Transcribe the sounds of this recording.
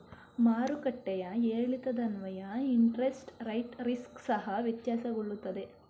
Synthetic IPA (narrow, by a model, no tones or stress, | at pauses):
maːɾukɐʈːɛjɐeːɭit̪ɐd̪ɐnʋɐjɐiɳʈɾesʈɾɐjʈɾisksɐɦɐʋit̪jaːsɐɡoɭːut̪ːɐd̪e̞